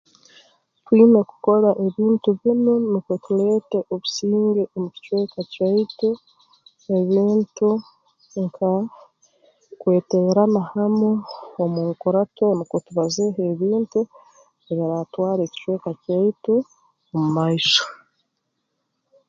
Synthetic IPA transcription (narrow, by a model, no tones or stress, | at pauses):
twiːmeku̥ko̞ɾaʔeβiːntuβinonikotule̞ːteʔoβusiːŋɡeomuci̥cwe̞ːkacaitu | e̞βiːntu | ŋkʰa | kwe̞ːteɾanahamoːmuːŋkoɾato̞nikotuβazeɦeβiːntu | eβiɾatwaːɾeci̥cweːkacaitu | omumaiʃo̥